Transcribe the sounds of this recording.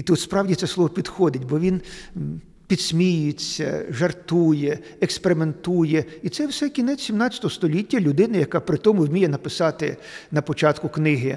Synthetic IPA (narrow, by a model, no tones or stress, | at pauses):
it̪ut̪spɾɑwdʲit̪sɛslˠɔʋɔpʲid̪xɔd̪ɪtʲbɔʋʲin | pʲid̪̥sʲmʲijʊt͡sʲːɐ̰ʒɐrt̪ujɛ | ɛkspeɾɪment̪ujɛit̪sɛwsɛkʲinɛt͡sʲsʲimnɑt͡sʲːɐ̥t̪ɔɔst̪ɔlʲitʲːɐlʲʊd̪ɪnɐjɐkɑpɾɪt̪ɔmʊwmʲijɛnɐpɪsɑt̪ɪ | nɐpɔt͡ʃɑt̪kʊknɪɦɪ